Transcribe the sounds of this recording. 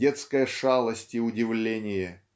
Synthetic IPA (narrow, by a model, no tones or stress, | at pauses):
et̪skəjəʂalˠəsʲtʲɪʊdʲɪvlʲenʲɪjə